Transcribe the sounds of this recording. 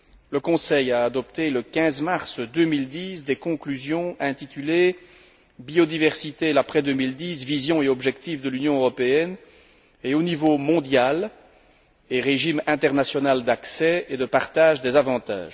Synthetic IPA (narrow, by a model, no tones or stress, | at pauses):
ləkɔ̃sɛjaːd̪ɔpt̪eləkʲɛ̃zmaʁsd̪ømild̪iːsd̪ɛkɔ̃klyzjɔ̃ɛ̃t̪it̪yle | biod̪ivɛʁsit̪elapχɛd̪ømild̪iːsvizjɔ̃eɔbʒɛkt̪ifd̪əlynjɔ̃øʁɔpeɛn | eonivomɔ̃d̪jal | eʁeʒimɛ̃t̪ɛʁnasjɔnald̪aksɛed̪əpaʁt̪aːʒd̪ezavɑ̃t̪a̰ːʒ